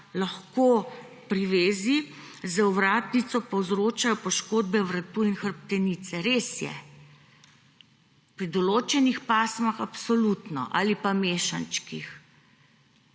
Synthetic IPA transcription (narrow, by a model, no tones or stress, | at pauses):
lɐxko | pɾiʋeːzi | zəuʋɾaːt̪nit̪sɔpɔwzɾoːt͡ʃajɔpɔʃkoːd̪̚bɛʋɾat̪uinxəɾpt̪ɛniːt̪sɛɾeːsjɛ̰ | pɾid̪ɔloːt͡ʃɛnixpaːsmaxapsɔlut̪nɔ̰ʔa̰ːlipameːʃant͡ʃkix